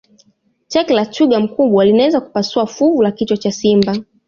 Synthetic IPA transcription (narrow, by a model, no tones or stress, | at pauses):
t͡ʃɛklat͡ʃuɠam̩kuɓwalinawɛzaku̥pasuafuvulakit͡ʃɔt͡ʃasimba